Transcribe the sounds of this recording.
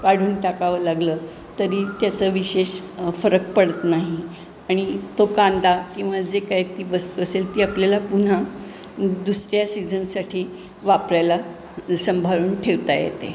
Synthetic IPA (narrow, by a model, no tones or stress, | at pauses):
kaɽ̤uːnʈakaʋəːlaɡləː | t̪əɾiːt̪jat͡səːʋiɕeɕfəɾək̚pəɽət̪naɦi | aɽ̃it̪okãnd̪akĩw̃ʋad͡zekajt̪iːʋəst̪uəselt̪iːapljalapun̤a | d̪usɾjasid͡zənsaʈʰiː | ʋapɾajla | səmbʱaɭuːnʈʰeʋt̪ajḛt̪e